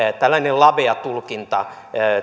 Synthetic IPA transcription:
t̪ælːænellɑʋeɑt̪ulkint̪ɑ

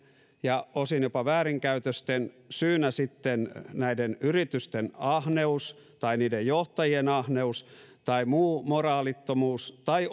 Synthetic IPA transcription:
jɑosinjopɑʋæːriŋkæyt̪øst̪en | syːnæsit̪ːennæidenyrit̪yst̪enɑhneus | t̪ɑiniːdejjoht̪ɑjienɑhneust̪ɑimuːmorɑːlit̪ːomuːst̪ɑi

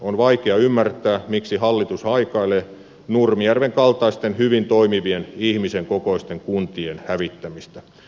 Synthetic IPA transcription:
onʋɑikeɑymːært̪æːmiksihɑlːit̪ushɑikɑile | nurmijærʋeŋkɑlt̪ɑist̪enhyʋint̪oimiʋienihmiseŋkokoist̪eŋkunt̪ienhæʋit̪ːæmist̪æ

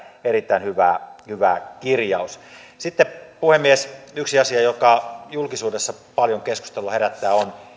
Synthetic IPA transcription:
erit̪ːæinhyʋæ̰ːhyʋæ̰kirjɑussit̪ːepuhemːiesyksiɑsiɑjokɑjulkisuːdesːɑpɑljoŋkesku̥st̪eluɑheɾæt̪ːæːon

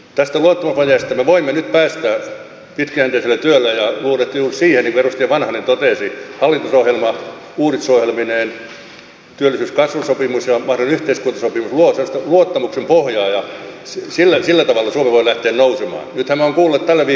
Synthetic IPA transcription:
t̪æst̪æluot̪ːɑmusʋɑjæst̪ɑmeʋoimːenyt̪pæːst̪æː | pit̪kiænt̪æiselːˑæt̪yølːæjɑluot̪et̪ːijuːrsiːheniŋkuerust̪ieʋɑnhɑnent̪ot̪eˑsihɑlːint̪usohjelmɑ | uːrit̪usohjelmineːˑn | t̪yølːˑisyːskɑsʋunsopimusjɑmɑhronyht̪eiskunt̪ɑsopimusluoselːɑst̪ɑluot̪ːɑmuksempohjɑːjɑssilːæsilːæt̪ɑʋɑlːɑsuomeʋoilæht̪eːnnousemɑ̰ːnnyt̪hæmæoːŋkuːlːet̪t̪ælːæʋiː

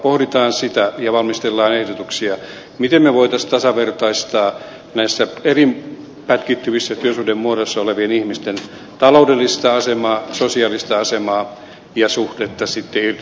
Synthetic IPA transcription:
pohdit̪ɑːnsit̪æjɑʋɑlmist̪elːɑːnehdot̪uksiɑ | mit̪emmeʋoit̪ɑst̪ɑsɑʋert̪ɑist̪ɑː | næisːæerim | pæt̪kit̪ːyʋisːæt̪yøsuhdemmuoɾosːɑoleʋienihmist̪en | t̪ɑloudelːist̪ɑɑsemɑːsosiɑlist̪ɑɑsemɑː | jɑsuhdet̪ːɑsit̪ːeir

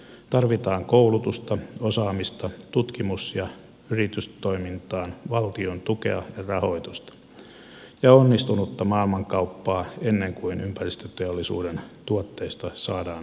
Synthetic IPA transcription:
t̪ɑrʋit̪ɑːŋkoulut̪ust̪ɑosɑːmist̪ɑt̪ut̪kimusjɑ | yrit̪yst̪o̞imint̪ɑːnʋɑlt̪iont̪ukḛɑjɑrɑho̞it̪ust̪ɑ̥ | jɑonːist̪unut̪ːɑmɑːilmɑŋkɑupːɑːenːeŋkuinympærist̪øt̪eolːisṵːdent̪uot̪ːeist̪ɑsɑːdɑːn

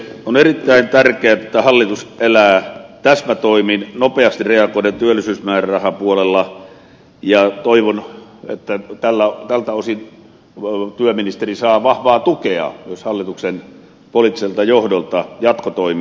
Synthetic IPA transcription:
onerit̪ːæint̪ærkeæt̪et̪ːæhɑlːit̪usʔelæːt̪æsmæt̪oiminnopeɑst̪irreɑkoiɾet̪yølːˑisyːsmæːrærɑhɑpuolelːɑ | jɑt̪oiʋonḛt̪ːæt̪ælːæt̪ælt̪æosin | t̪yøminist̪erisɑːʋɑhʋɑːt̪ukeɑ̰joshɑlːit̪uksen | polit̪ːˑiselt̪ɑjohdolt̪ɑjɑt̪kot̪oimi

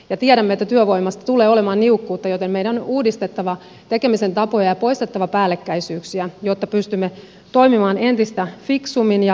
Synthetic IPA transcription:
jɑt̪iɛɾæmːet̪ːæt̪yøœʋo̞imːɑst̪ɑ̥t̪uleːolemɑːnniukːuːt̪ːɑjo̞t̪emmeidæonuːdist̪et̪ːɑʋɑ | t̪ekemise̞nt̪ɑpo̞jɑjɑpoist̪et̪ːɑʋɑpæːlːˑekːæisyːksiæjot̪ːɑpyst̪ymːe | t̪o̞imimɑːnent̪ist̪æfiksuminjɑ

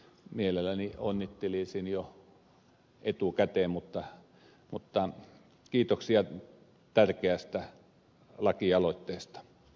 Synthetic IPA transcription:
mielelːˑænionːit̪ːelisinjo | et̪ukæt̪eːmmut̪ːɑ | mut̪ːɑ | kiːt̪oksiɑ | t̪ærkeæst̪æ | lɑkiɑloit̪ːeːst̪ɑ̥

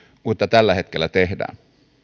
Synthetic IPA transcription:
ut̪ːˑɑt̪ælːæhe̞t̪kelːæt̪ehdæ̰ːn

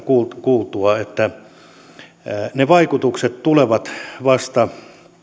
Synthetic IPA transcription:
kuːlkuːlt̪uɑet̪ːæ | neʋɑikut̪ukset̪t̪uleʋɑt̪ʋɑst̪ɑ

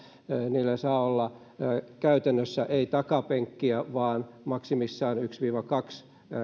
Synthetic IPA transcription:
niːlːæsɑːolːɑ | kæyt̪ænːøsːæʔeit̪ɑkɑpeŋkːiæʋɑːnmɑksimisːɑːnyksʋiːʋɑkɑks

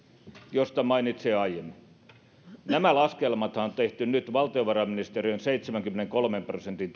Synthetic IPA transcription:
jost̪ɑmɑinit̪seːɑjemi | næmælɑskelmɑt̪hɑont̪eht̪ynnyt̪ʋɑlt̪ioʋɑrɑminist̪eriønseit̪semæŋkymːĕneŋkolmemprosent̪int̪

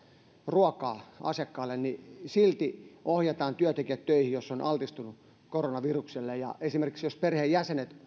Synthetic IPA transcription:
ruokɑːɑ̰sekːɑːlːennisilt̪iʔohjet̪ɑːnt̪yøt̪ekiæt̪t̪øihijosːonʔɑlt̪ist̪unu | koronɑʋirukselːejɑ̰esimerkiksjosperheːjæsenet̪

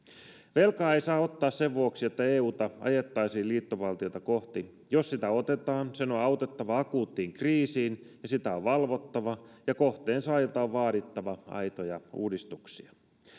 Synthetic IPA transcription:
ʋelkɑːeisɑːot̪ːɑːsseʋʋuoksie̞t̪ːæeːuːt̪ɑɑ̰jet̪ːɑisiːliːt̪ːoʋɑlt̪ijot̪ɑkoht̪i | jossit̪æo̞t̪et̪ɑːnsenoɑwt̪et̪ːɑʋɑɑkuːt̪ːiːŋkriːsiːnjɑsit̪æoʋʋɑlʋo̞t̪ːɑʋɑjɑkoht̪eːnsɑːjlt̪ɑʋʋɑːɾit̪ːɑʋɑɑ̰jt̪ojɑʔṵːdist̪uksiɑ

